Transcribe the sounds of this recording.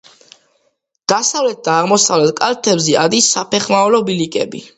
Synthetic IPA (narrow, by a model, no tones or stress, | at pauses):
d̪̥asavlɛt̪̚d̪̥aːʁmɔsavlɛt̪̚kʼalt̪ʰɛbzɛad̪isːapʰɛχmaɔlɔbilikʼɛ̰bḭ